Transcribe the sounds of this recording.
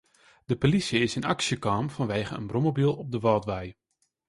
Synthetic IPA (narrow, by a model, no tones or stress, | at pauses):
d̥əpolisjəɪsənaksjəkaːmfɔnʋejɣəənbromobilˠɔb̚dəʋɑːtʋɛj